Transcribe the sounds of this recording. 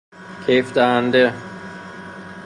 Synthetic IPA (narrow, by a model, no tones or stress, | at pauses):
kʰefd̪æhænd̪e